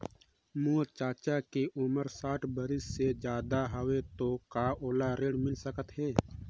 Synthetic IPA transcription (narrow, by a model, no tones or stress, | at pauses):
moːt͡ʃaːt͡ʃakeʔʊməɾsaːʈʰbəɾɪsːed͡ʒjaːd̪aɦəwet̪okaːʔoːlaɾeːɽmɪlsəkət̪ɦɛː